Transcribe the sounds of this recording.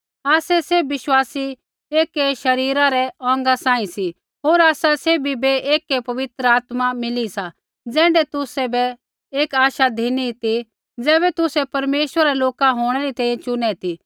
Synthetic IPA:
aːsɛseʋɪʃwaːsi | eːkeʃɐɾiːɾaɾɛɔ̃ːŋɡasãːĩsi | ɦoːɾaːsaseːbʱibeeːkepɐʋɪt̪ɾəaːt̪mamɪlisa | d͡zɛ̃ːɳɖɛt̪ʊsɛbɛ | eːkaːʃad̪ʱiːnit̪i | d͡zɛːβɛt̪ʊsɛpɐɾmeːʃwəɾaɾɛloːkaɦoːɽ̃ɛɾit̪ɛ̃ːjɛ̃t͡ʃʊnɛt̪ʰi

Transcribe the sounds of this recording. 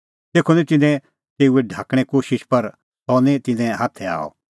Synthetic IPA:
t̪eːkʰonɛ̃t̪ɪnɛ̃ | t̪eːuɛɖʱaːkɽ̃ɛkoːʃɪʃpɐɾ | t̪ɔnɛ̃t̪ɪnɛ̃ɦaːt̪ʰɛa̰ːɔ̰

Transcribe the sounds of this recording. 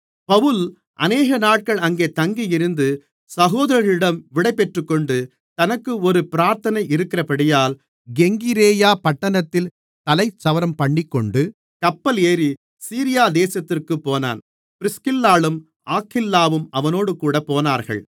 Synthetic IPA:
pɐʋɯl | ʔɐ̰neːɣɐnaːʈ̚kɐɭɐŋɡeːt̪ɐŋɡijɪɾɯnd̪ɯ | sɐɣoːðɐɾɐɾɪɽɐmʋɪɽɐɪpːɛʈrɯkːɔɳɖɯ | t̪ɐnɐkːɯɔɾɯpɪɾaːɾt̪ɐnɐɪɪɾɯkːɪrɐpɐɽɪjaːl | ɡɛŋɡɪɾeːjaːpɐʈːɐnɐt̪ːɪl | t̪ɐlɐɪt͡ʃːɐʋɐɾɐmpɐɳːɪkːɔɳɖɯ | kɐpːɐleːɾi | siːɾɪjaːd̪eːsɐt̪ːɪrkɯpːoːna̰ːn | pɪɾɪskɪlːaːɭɯm | aːkʰːɪlːaːʋɯmɐʋɐnoːɽɯkuːɽɐpoːnaːɾɣɐ̰ɭ

